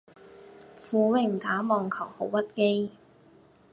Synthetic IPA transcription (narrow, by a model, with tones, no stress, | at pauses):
fuː˨˧wɪ˨˩ŋt̪aː˨˥mɔː˨ŋkʰɐ˨˩who˨˥wpɐ˥t̚ke˥j